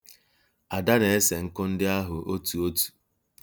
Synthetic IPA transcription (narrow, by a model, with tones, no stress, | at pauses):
a˨da˦ne˨e˦se˨ŋ̩˦kʊ˦n̩˦dɪ˦a˦ɦʊ˨ʔo˦tu˨o˦tu̥˨